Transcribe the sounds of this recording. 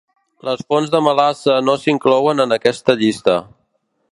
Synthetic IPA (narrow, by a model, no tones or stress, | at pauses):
ləsfonzðəməlasənosiŋklɔwənənəkɛst̪əʎist̪ə